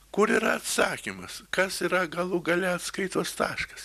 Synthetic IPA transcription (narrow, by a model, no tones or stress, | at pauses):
kʊɾiːɾɐɐt̪sɑːkʲimɐskɐsiɾɐɡɐlˠʊɡɐlʲɛɐt̪skɐɪt̪uːst̪ɑːʃkɐ̥s